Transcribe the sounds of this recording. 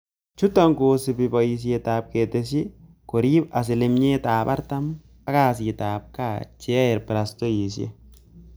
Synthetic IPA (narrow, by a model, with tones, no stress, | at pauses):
t͡ʃʊ˦t̪ːɐ˦ŋkoːsɪ˨bɪ˨bɐ˨jɪs̬ɪjet̪aː˨b̚keː˨t̪ːɛsɪ˦ | kɔ˨ɾiː˦bɐ˨s̬ɪ˨lɪmɲeː˦t̪aːpɐ̰˦ɾt̪ɐ˦m | ɐ˦kaː˨siː˨t̪aːp̚ka˨t͡ʃe˦ɐ˦ɛ˨ɾpɪ˨ɾɐ˨st̪ɔ˦ji˨sɪ˦ɛ̰˦